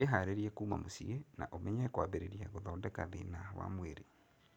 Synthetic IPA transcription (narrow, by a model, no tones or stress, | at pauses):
eɦaɾeɾiɛkuːma̰mosiena̰ʔomɛɲɛkwaβeɾeɾijaɣoðɔːdɛka̰ðenahɔwa̰mweɾe